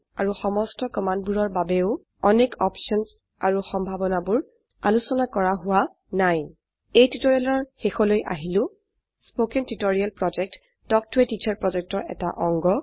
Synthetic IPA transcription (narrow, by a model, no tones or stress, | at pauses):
a̰ɹuxɔmɔstɔkɔmand̚buɹɔɹbabɛʊ | ɔnekɔpʃɔns | aɹuxɔmbʱabɔnabʊɹ | a̰lusɔnakɔɹaɦʊwa | naj | ejtutoɹialɔɹxexɔlojʔa̰ɦilʊ̃ | spokɛntutoɹialpɹɔd͡ʒɛk̚t | tɔk̚tʊɛtit͡ʃʰɔɹpɹɔzɛk̚tɔɹɛ̰taʔɔŋɡɔ